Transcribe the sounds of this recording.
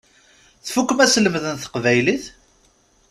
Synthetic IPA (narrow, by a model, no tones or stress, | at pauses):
θfukːəmæsləmðənθə̥qvæjliθ